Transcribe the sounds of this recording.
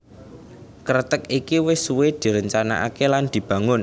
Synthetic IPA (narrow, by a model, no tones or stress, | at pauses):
kəɾət̪əkikiwɪsuwed̪̥i̤ɾəɲt͡ʃana̰ʔa̰keland̪̥i̤b̥ä̤ŋʊn